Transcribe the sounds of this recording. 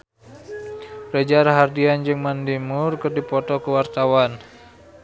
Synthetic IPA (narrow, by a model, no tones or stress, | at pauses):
red͡ʒaɾaɦardiand͡ʒɨŋmandimʊrkɨrdipɔt̪ɔkəwart̪awan